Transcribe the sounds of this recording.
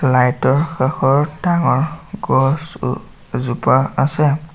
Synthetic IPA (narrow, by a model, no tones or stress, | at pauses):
lajtɔɹxaxɔɹdaŋɔɹɡɔs | zupaasɛ